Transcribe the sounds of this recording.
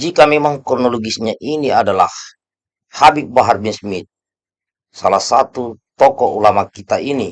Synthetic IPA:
d͡ʒikamɛmaŋkɔrnɔlɔɡisɲaʔiniadalah | habibaɦarbinsmit̪̚ | salahsat̪ut̪ɔkɔʔulamakit̪aini

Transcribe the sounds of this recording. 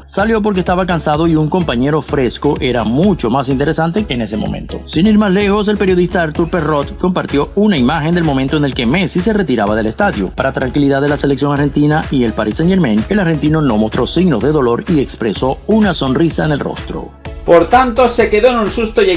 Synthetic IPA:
saljo̞p̬o̞ɾkest̪aβakansað̞o̞iuŋko̞mpaɲe̞ɾo̞fɾe̞sko̞ʔe̞ɾamut͡ʃo̞mas̬int̪eɾe̞sant̪e̞ene̞se̞mo̰mḛ̃nt̪o̞̰siniɾmasle̞xo̞s̬e̞lpe̞ɾjo̞ðist̪aaɾt̪uɾpero̞t̪ko̞mpaɾt̪jo̞unaimaxe̞nd̪elmo̞mẽnt̪oene̞lke̞me̞sise̞re̞t̪iɾaβað̞e̞le̞st̪aðjopaɾat̪ɾaŋkiliðaðelase̞leksjo̞ŋaɾxe̞nt̪inaʔie̞lpaɾisene̞ɾmẽne̞laɾxent̪ino̞no̞mo̞st̪ɾo̞siɣno̞zðe̞ðo̞lo̞ɾie̞kspɾe̞so̞unaso̞nrisaene̞lro̞̰st̪ɾo̰ | poɾt̪ant̪o̞se̞ke̞ðo̞enunsust̪o

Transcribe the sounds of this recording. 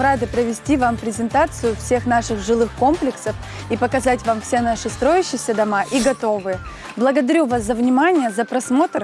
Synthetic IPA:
ɾad̪ɨpɾəvʲɪsʲtʲivampɾʲɪzʲɪnt̪at̪sɨjʊfsʲe̞xnaʂɨxʐɨlˠɨxko̞mplʲɪksəf | ipəkɐzatʲvamfsʲenaʂɨst̪ɾo̞jɪɕːɪjsʲəd̪ɐmaʔiɡɐt̪o̞vɨjə | blˠəɡəd̪ɐɾʲuvaszəvnʲɪmanʲɪjəzəpɾɐsmo̞t̪r

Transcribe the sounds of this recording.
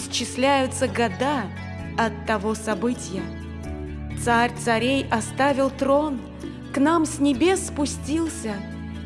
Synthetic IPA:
sʲt͡ɕːɪsʲlʲæjʊt̪səɡɐd̪a | ɐt̪ːɐvosɐbɨtʲɪjə | t̪saɾʲt̪sɐɾʲejɐst̪avʲɪlˠt̪ɾon | knamsʲnʲɪbʲe̞sːpʊsʲtʲilˠsʲə

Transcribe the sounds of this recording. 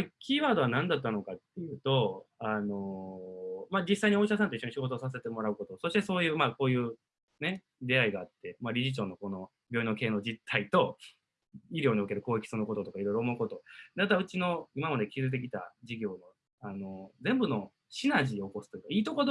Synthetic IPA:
kʲiːβaːd̪o̞βanãnd̪at̪̬ːano̞kat̪ːe̞jɯ̟ːt̪o̞ano̞ | mad͡ʑisːaiɲio̞ɕas̬ãnt̪o̞iɕo̞ɲiɕiɡo̞t̪osas̬e̞t̪e̞mo̞ɾaɯ̟ko̞t̪o̞so̞ɕi̥t̪e̞so̞ːjɯ̟ːmako̞ːjɯ̟ː | ne̞ | d̪e̞aiɡaːt̪ːe̞maɾʲiʑit͡ɕo̞ːno̞ko̞no̞ | bʲo̞ːinoke̞ːno̞d͡ʑit̪ʰːait̪o̞ | iɾʲjoːɲ̟io̞ke̞ɾɯ̟ko̞ːekʲi̥sonoko̞t̪o̞t̪o̞kaiɾo̞iɾoːmo̞ɯ̟ko̞t̪o̞d̪at̪aɯ̟t͡ɕino̞imamad̪ekʲizɨt̪̬e̞kʲi̥t̪a̰d͡ʑiɡʲo̞ːno̞ | ano̞zẽ̞mbɯno̞ | ɕinaʑio̞ko̞sɨ̥t̪oikaiːt̪o̞ko̞d̪

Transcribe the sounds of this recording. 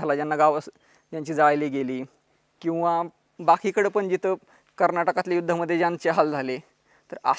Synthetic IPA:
alad͡ʑjanːaɡaʋəs | d͡ʑjaɲt͡ɕiːd͡zaɭliːɡeliː | kĩw̃ʋa | bakʰikəɽepəɳd͡ʑit̪ʰə | kəɾnaʈəkat̪lajud̪ʱːəməd̪ʱːjed͡ʑant͡ɕeɦald͡zʱale | t̪əɾa̰

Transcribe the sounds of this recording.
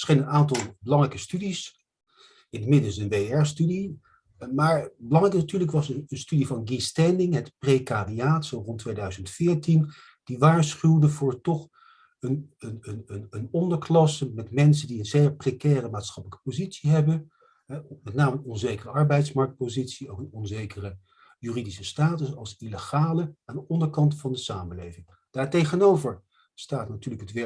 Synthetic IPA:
sχenənaːntɑlˠbəlɑŋrɛjkəstydis | ɪnətmɪdəlˠsənʋeɛɹstydi | maːɹbəlɑŋrɛjknatyːɹləkʋɑsənənstydivɑnɡistɛndɪŋɦɛtprejkaːdiaːtsowrɔntːʋejdœɥzəntfɪːɹtin | d̥iʋaːɹsχywdəvʊːɹtɔχ | ənənənənənɔndəɹklɑsəmɛtmɛns̬əndiənzeːɹprekɛːrəmaːtsχɑpələkə̥pozitsiɦɛbə | ɦɛmɛtnaːmənɔnzejkərəɑɹbɛjtsmɑɹk̚t̚pozitsiowkənɔnzejkərə | jyridisəstaːtəsɑlˠsiləχaːləaːndəʔɔndəɹkɑntfɑndəsaːməlejvɪŋ | d̥aːɹtejχənowvəɹ | staːtnatyːɹləkɦətʋɛ

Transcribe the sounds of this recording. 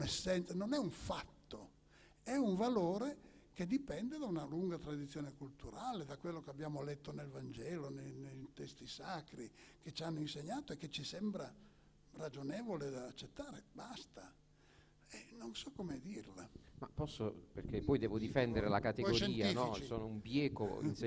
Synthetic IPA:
nɛsːɛnt̪sanonɛuɱfat̪ːo | ɛuɱvaloːɾek̟ed̪ipɛnd̪ed̪aunaluŋɡat̪ɾad̪it̪sːjoːnekult̪uɾaːled̪akːwelːokeabːjaːmolɛt̪ːonelvand͡ʒɛːlonenejt̪ɛst̪isakɾik̟et͡ʃianːoinseɲːaːt̪oekːet͡ʃisɛmbɾa | rad͡ʒonɛːvoled̪aːt͡ʃːet̪ːaːɾebast̪a | ɛnonsɔkːomed̪irlamapːɔsːopḛrkepːɔjd̪ɛːvod̪ifɛnd̪eɾelakat̪eɔɡoɾʃeiːanɔisoːnoumbjɛːko̰ḭns

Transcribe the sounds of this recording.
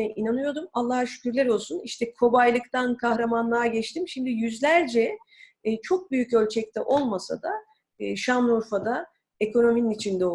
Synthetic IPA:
ɛʔinanɯjo̞d̪umalˠːaɦaʃy̥cʲyɾlʲɛɾo̞lˠsuniʃt̪ʰɛkʰo̞bajlˠɯkt̪ʰankʰahɾamanlˠaɾɟɛt͡ʃt̪imʃimd̪ijyzlʲæɾd͡ʒɛ | t͡ʃʰo̞k̚byjycø̞lʲt͡ʃʰɛc̚t̪ʰɛʔo̞lˠmasa̰d̪a | ʃamuɾfad̪a | e̞kʰo̞no̞mininit͡ʃʰind̪ɛo

